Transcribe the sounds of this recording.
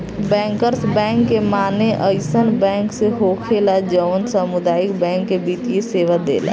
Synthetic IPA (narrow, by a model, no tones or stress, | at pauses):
bɛ̃ːŋkəɾsbɛ̃ːŋkːemaːneʔəɪsənbɛ̃ːŋkseɦokʰelad͡ʒəʋnsəmud̪aːɪkbɛ̃ːŋkːebiːt̪ijeseːʋad̪ḛːla̰